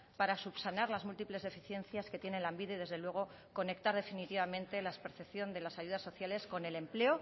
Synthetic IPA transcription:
paɾasupsanaɾlazmult̪iple̞zðe̞fiθje̞nθjaske̞t̪je̞ne̞lambiðeð̞e̞zðelwe̞ɣ̞o̞ | ko̞ne̞kt̪aɾð̞e̞finit̪iβamẽ̞nt̪e̞laespeɾθepθjo̞nd̪e̞lasaʝuð̞asːo̞θjale̞sko̞ne̞le̞mple̞o̞

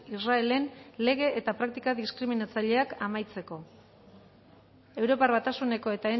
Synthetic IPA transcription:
israe̞le̞nle̞ɣ̞e̞ʔet̪apɾak̚t̪ikaðiskɾiminat͡saʎe̞akamajt͡se̞ko̞ | e̞wɾo̞parβat̪asune̞ko̞e̞t̪ae

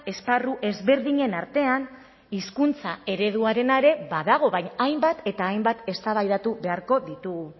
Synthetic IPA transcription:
e̞sparuʔe̞zβe̞ɾðiɲe̞naɾt̪e̞an | iskunt͡sae̞ɾe̞ð̞uaɾe̞naeɾe̞βaðaɣ̞o̞βaɲajmbat̪e̞t̪aːjmbat̪e̞st̪aβ̞ajðat̪uβe̞aɾko̞ðit̪uɣ

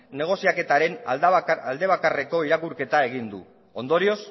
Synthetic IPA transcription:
ne̞ɣ̞o̞siake̞t̪aɾe̞nald̪e̞β̞akare̞ko̞iɾakuɾke̞t̪ae̞ɣ̞ind̪ṵ | o̞nd̪o̞ɾio̞s

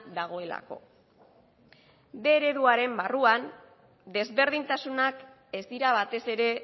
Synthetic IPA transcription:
d̪aɣ̞o̞e̞la̰ko̞̰ | d̪e̞ːɾe̞ðuaɾe̞mbaruan | d̪e̞zβe̞ɾð̞int̪asunak | e̞zd̪iɾaβ̞at̪e̞se̞ɾe̞

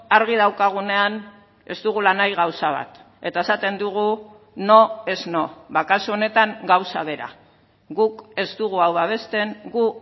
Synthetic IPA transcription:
aɾɣiðawkaɣ̞une̞an | e̞st̪uɣulanajɣawsaβ̞a̰t̪ | e̞t̪ae̞sat̪e̞nd̪uɣ̞u | no̞e̞zno̞βakasuo̞ne̞t̪aŋɡawsaβ̞e̞ɾa̰ | ɣuke̞st̪uɣuawβaβ̞e̞st̪e̞ŋɡu

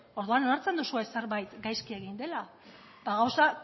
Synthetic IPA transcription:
o̞ɾðuanonaɾt͡se̞nd̪usuese̞ɾβajt̪ɡajskie̞ɣ̞ind̪e̞la | d̪aɣawsa

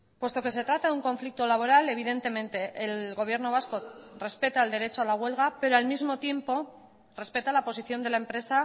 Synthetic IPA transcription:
pwe̞st̪o̞ke̞se̞t̪ɾat̪aðuŋko̞ɱflik̚t̪o̞laβ̞o̞ɾale̞βiðe̞nt̪e̞mẽ̞nt̪e̞ʔːlɣo̞β̞je̞ɾno̞βasko̞re̞spe̞t̪aeld̪e̞ɾe̞t͡ʃoalaɣ̞we̞lɣ̞ape̞ɾoalmizmo̞t̪je̞mpo̞ | re̞spe̞t̪alapo̞siθjo̞nd̪elaempɾe̞sa

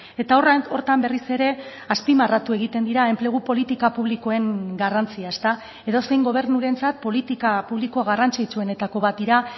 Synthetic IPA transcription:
e̞t̪aoro̞ɾt̪ambe̞rise̞ɾe̞ | aspimarat̪ue̞ɣ̞it̪e̞nd̪iɾae̞mple̞ɣ̞upo̞lit̪ikapuβliko̞e̞ŋɡarant͡siaest̪a | e̞ðo̞se̞jŋɡo̞β̞e̞ɾnuɾe̞nt͡sat̪̚po̞lit̪ikapuβlikoaɣarant͡sit͡sue̞ne̞t̪ako̞βat̪̚d̪iɾa

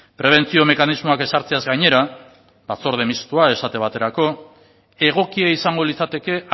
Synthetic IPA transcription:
pɾe̞β̞e̞nt͡sio̞me̞kanizmo̞ake̞saɾt͡seazɡajɲe̞ɾa | bat͡so̞ɾð̞emist̪uae̞sat̪e̞β̞at̪e̞ɾako̞ | e̞ɣ̞o̞kiaisaŋɡo̞lit͡sat̪e̞ke̞

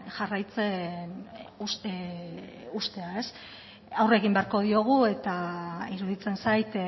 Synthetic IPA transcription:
ʝarajt͡se̞nu | ust̪e̞ae̞s | awre̞ɣimbe̞aɾko̞ðio̞ɣ̞ue̞t̪aiɾuðit͡se̞nsajt̪

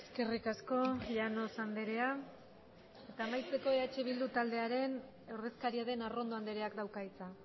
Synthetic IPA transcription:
e̥ske̞rikasko̞ʎano̞sand̪e̞ɾe̞a | e̞t̪aːmajt͡se̞ko̞eat͡ʃeβ̞ild̪ut̪ald̪e̞aɾe̞n | awɾðe̞skaɾiaðe̞naro̞nd̪oand̪e̞ɾe̞akd̪awkait͡sa

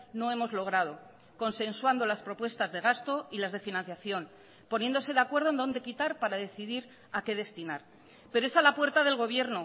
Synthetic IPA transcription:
no̞e̞mo̞zlo̞ɣ̞ɾað̞o̞ | ko̞nse̞nswand̪o̞laspɾo̞pwe̞st̪azðe̞ɣ̞ast̪o̞ilazð̞e̞finãn̟θjaθjo̞n | po̞nje̞nd̪o̞se̞ðeakwe̞ɾð̞ond̪o̞nd̪e̞kit̪aɾpaɾaðe̞θiðiɾ | ake̞ðe̞st̪inaɾ | peɾoesalapwe̞ɾt̪aðe̞lɣ̞o̞β̞je̞ɾno

